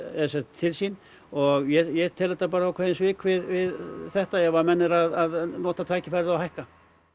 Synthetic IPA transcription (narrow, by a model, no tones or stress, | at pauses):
ɛsɛt̪t̪ʰːɪlsin | ɔɣjɛjɛt̪ʰɛlðɛt̪ːap̬aːɾaawkʰɛːðɪnsvɪːkʰvɪðvɪðθɛht̪ajɛɣvaɾmɛnːɪɾaðaðnɔːt̪at̪ʰaːjcɪfɛɾðɪawɦajhka